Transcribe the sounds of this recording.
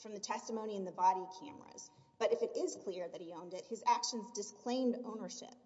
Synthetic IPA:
fɹʌ̃mðɨtʰɛstəmõʊ̃ñiɨ̃nðɨbɑɾikʰæ̰̃mə̰˞ɨ̰z̥ | b̥ʌɾɨfɨɾɪz̥kʰl̥ɪɹðɨt̚hiõʊ̃ndɨt̚hɨzækʃɨ̃n̩zdɨskʰl̥ẽɪ̃mdõʊ̃nə˞ʃɪ̰p̚

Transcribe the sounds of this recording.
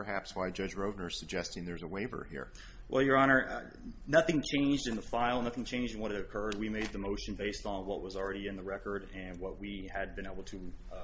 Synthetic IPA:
pə˞ɦæpswaɪd͡ʒʌd͡ʒɹoʊvnə˞z̥sɨɡ̚d͡ʒɛstɪ̃ŋðə˞zəweɪvə̰˞hḭɹ | wʔɛ̰lˠjə˞ɑñə˞ʌ̰ | nʌθɪ̃ŋt͡ʃʰẽɪ̃nd͡ʒdɨ̃nðəfaɪlˠnʌθɪ̃ŋt͡ʃʰẽɪ̃nd͡ʒdɨ̃nwʌɾɨɾɨkʰɜ˞d̚wimeɪd̪̚ðɨmoʊʃɨ̃n̩beɪstn̩wʌʔ̚wʌzl̩ˠɹɛɾiɨ̃nðəɹɛkə˞ɾɨ̃nwʌʔ̚wiɨd̚bɨ̃ñeɪbl̩ˠtʰɨ

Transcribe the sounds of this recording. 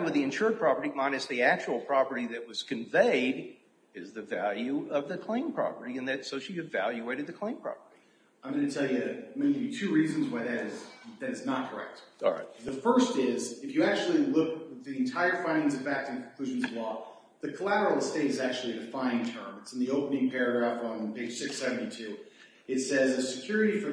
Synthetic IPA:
mwɨðiɨ̃nʃʊɹd̚pʰɹ̥ɑpə˞ɾimãɪnɨs̚ðiæk̚t͡ʃul̩ˠpʰɹ̥ɑpə˞ɾiðɨʔ̚wʌz̥kʰɨ̃ɱveɪɾ | ɪzðɨvælˠjʉʌvðɨkʰl̥ẽɪ̃mpʰɹ̥ɑ̰pə˞ɾiɨ̃nðɨtsoʊʃiɨvæ̰lˠjʉeɪɾɨd̪̚ðɨkʰl̥ẽɪ̃mpʰɹ̥ɑ̰pə˞ɾi | ãɪ̃mɡʌ̃nɨtʰɛlˠjɨmeɪkɨitʰʉɹizɨ̃nzwaɪðɨɾɪzðɨɾɨznət̚kʰə˞ɛ̰k̚tˠɹa̰ɪt̚ðɨfɜ˞stɪzɨfjɨæk̚t͡ʃul̩ˠilʊkɨðiɨ̃ntʰaɪə˞fãɪ̃ndɪ̃ŋzʌvæk̚tɨ̃nk̩ʰkʰl̥ʉʒ̃nzʌvlɔ | ðɨkʰəlæɾə˞l̩ˠsteɪɾɨzæk̚t͡ʃʉl̩ˠiðɨfãɪ̃ntʰɜ̃˞mɨtsn̩ðioʊpənɪ̃ŋpʰɛɹɨɡɹæfn̩pʰeɪd̥ʒ̥sɪksɛvn̩titʰʉ | ɨtsɛzɨsɨkʰj̥ʊɹɨɾifə˞

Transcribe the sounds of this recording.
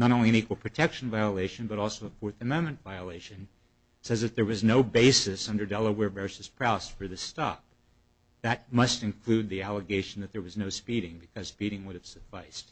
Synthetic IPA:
nəɾõʊ̃nliɨ̃ñikwəl̩ˠpʰɹ̥ɨtʰɛkʃn̩vaɪəleɪʃɨ̃n̩bʌɾɔlˠsoʊəfɔɹθɨmɛ̃nmɨ̃ntvaɪəleɪʃɨ̃n | sɛzðɨt̪̚ðə˞wʌznoʊbeɪsɨsʌ̃ndə˞dɛlˠəwɛɹvɜ˞sɨz̥pʰɹ̥aʊsfə˞ðɨstɑ̰p̚ | ðɨt̚mʌstɨ̃nkʰl̥ʉd̪̚ðiælˠəɡeɪʃn̩ðɨt̪̚ðə˞wʌznoʊspiɾɪ̃ŋbɨkʰʌz̥spiɾɪ̃ŋwʊɾɨv̥sɨfaɪst

